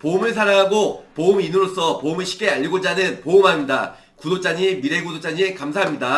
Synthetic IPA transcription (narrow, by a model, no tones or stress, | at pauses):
poɯmɯɭs̬ʰaɾaŋɦaɡopoɯminɯɾos͈ʰʌpoɯmɯɭɕʰi̥k͈ʰeaʎːiɡod͡ʑanɯnpoɯmɦamɲida | kudot͡ɕ͈aɲimiɾe̞ɡudot͡ɕ͈aɲikamsʰaɦamɲida